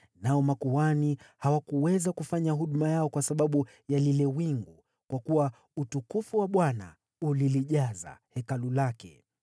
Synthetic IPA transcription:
naɔmakuwanihawakuwɛzakufaɲaɦuɗmajaɔkwasaɓaɓu | jalilɛwiŋɡu | kwakuwa | utukufuwaɓwana̰ | uliliʄaza̰hɛkalulakɛ̰

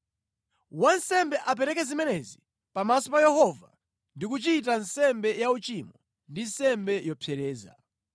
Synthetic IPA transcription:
wansɛmbɛʔap̬ɛɾɛkɛzimɛnɛzi | pamasɔpajɛhɔva | ndikut͡ʃit̬ansɛmbɛjaut͡ʃimɔ | ndinsɛmbɛjɔpʰjɛɾɛːza̰

